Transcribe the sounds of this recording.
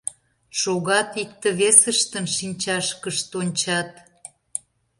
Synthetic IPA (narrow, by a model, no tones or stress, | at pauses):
ʃoɣɑt̪ikt̪əβesəʃt̪ənʃinʲt͡ɕɑʃkəʃt̪onʲt͡ɕɑt̪